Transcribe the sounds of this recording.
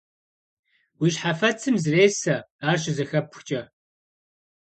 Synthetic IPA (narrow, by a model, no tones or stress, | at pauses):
wiɕħafɐt͡sʰɨmzreːsɐaːrɕɪzɐxɐpʰxt͡ʃʼɐ